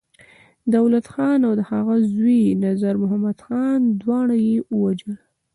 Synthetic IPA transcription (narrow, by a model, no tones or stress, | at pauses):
d̪awlat̪xɑnawd̪əhaɣazwinazaɾmʊɦamad̪xɑnd̪wɑɳajewəwad͡ʒəl